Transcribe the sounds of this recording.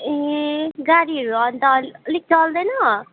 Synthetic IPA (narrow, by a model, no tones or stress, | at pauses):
eɡaɽiɦʌɾuʌnt̪ʌʌlik̚t͡sʌld̪ʌjnʌ